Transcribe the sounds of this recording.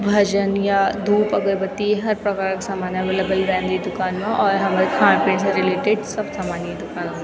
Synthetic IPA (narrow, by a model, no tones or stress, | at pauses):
bʱɐd͡ʒənjad̪ʱuːpɐɡəɾbɐt̪iɦɐɾpɾɐkaːɾkasaːmaːnɐʋeːləbəlɾɛ̃ːnd̪id̪ʊkaːnmẽʔɔːɾɦɐmaːɾekʰãːmpẽːns̬ẽɾɪleːʈeɖsɐbsaːmaːnjid̪ʊkaːnome